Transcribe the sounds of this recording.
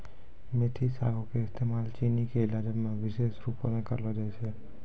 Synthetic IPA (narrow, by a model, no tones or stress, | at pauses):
met̪ʰisa̰ɡõkeɪst̪emaːlt͡ʃinikeɪlaːd͡ʒəmẽʋɪʃeːsɾuponẽkə̰ɾlod͡ʒat͡ʃʰe